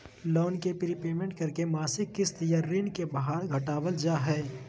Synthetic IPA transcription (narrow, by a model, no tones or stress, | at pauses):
lɔːnkepɪɾipeːmẽɳʈ̚kɐɾkemaːsɪkːɪst̪jaɾːiːnkebɐɦaːɾɡʱɐʈaːwəld͡ʒaːɦɛː